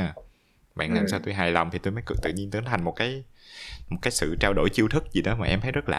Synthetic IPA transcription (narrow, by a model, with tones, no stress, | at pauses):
ɓa̰ː˧˨nlaː˨˩ms̬aː˧wt̪u˧jɦaː˨˩jlwŋ͡mt̪ʰi˨˩t̪u˧jmə˨˦jkɨ̰˨˧˩t̪ɨ̰˧˨ɲi˧ənt̪ɨ˨˦nt̪ʰa˨˩ŋ̟mo˨˩t̚kaː˨˦j | mo˨˩t̚kaː˨˦jsɨ̰˧˨t͡ɕaː˧wɗo̰˧˩jt͡ɕi˧wt̪ʰɨ˦˥k̚zi˨˩ɗɔ˨˦maː˨˩ʔɛ˧mt̪ʰə˨˦jzə˦˥t̚la̰ː˨